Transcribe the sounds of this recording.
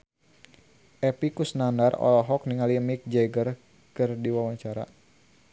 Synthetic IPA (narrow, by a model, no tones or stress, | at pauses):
ʔɛpikusnandarɔ̰lɔɦɔkniŋalimik̚d͡ʒɛɡər | kɨrdiwawaɲt͡ʃaɾa̰